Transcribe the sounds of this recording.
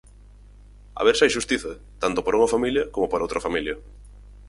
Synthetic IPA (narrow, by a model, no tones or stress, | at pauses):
a̰βeɾsajʃust̪iθɐ | t̪ant̪ʊpoɾuŋɐfamiljɐkomopoɾowt̪ɾɐfamiljɐ